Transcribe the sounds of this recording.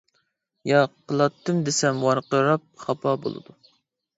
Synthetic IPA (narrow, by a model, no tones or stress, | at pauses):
jɑqʰːəlˠɑt̪ʰːɨmd̪esɛmwɑɾqəɾɑp̚χɑpʰɑbo̰lˠɨ̰d̪u